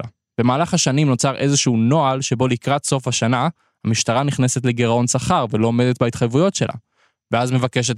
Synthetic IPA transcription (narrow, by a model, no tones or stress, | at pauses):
a | b̥e̞maːlaχhaʃanimno̞t͡saʁʔe̞zeʃuuno̞alʃe̞bo̞likʁat̪so̞faʃana | hamiʃt̪aʁaniχnese̞t̪le̞ɡeʁao̞nsaχaʁvelo̞ome̞d̪e̞t̪̚bait̪χajvujo̞tʃe̞la̰ | veazme̞vakeʃ̬e̞t